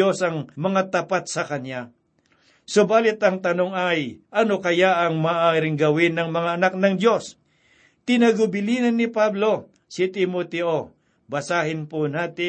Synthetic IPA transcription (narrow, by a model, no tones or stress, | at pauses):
o̞sɐŋmɐŋat̪ɐpat̪̚sɐkɐnja | sobaːlɪt̪ɐŋt̪ɐno̞ŋɐjʔɐno̞kɐjaʔɐŋmaːʔaːɾɪŋɡɐwɪnːɐŋmɐŋaɐnak̚nɐŋd̪jo̞s | t̪ɪnɐɡʊbɪliːnɐnːɪpablo̞ | sɪt̪ɪmot̪ɛʔo̞ | bɐsaːɦɪnponaːt̪ɪ